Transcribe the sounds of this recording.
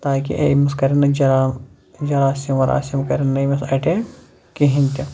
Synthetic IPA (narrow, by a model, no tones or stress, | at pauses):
t̪aːkḭʔḛmɐskɐɾʲinɐd͡ʒɐɾa | d͡ʒɐɾaːsimɐɾa̰ːsimkɐɾinːɐmɐsɐʈe | kiɦinʲt̪ʲi